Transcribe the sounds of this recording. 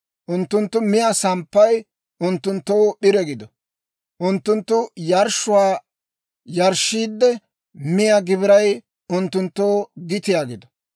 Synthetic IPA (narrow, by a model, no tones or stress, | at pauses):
ʔʊnt̪ːʊnt̪ːʊmɪjɐsɐmpːɐj | ʊnt̪ːʊnt̪ːoːɓɪɾɛɡɪd̪ɔ | ʔʊnt̪ːʊnt̪ːʊjɐɾʃʊwaː | jɐɾʃːiːd̪ːɛ | mɪjaɡɪβɪɾɐj | ʊnt̪ːʊnt̪ːoːɡɪt̪ɪjaːɡɪd̪ɔ̥